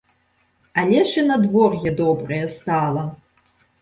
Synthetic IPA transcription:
ɐlʲɛʂɨnɐd̪vɔrjɛd̪ɔbɾɐjɛst̪alˠɐ

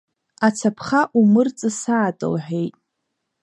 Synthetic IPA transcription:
at͡sʰapʰχaʔumɨrt͡sʼɨsaːtʼɨ̰lħʷᶣejtʼ

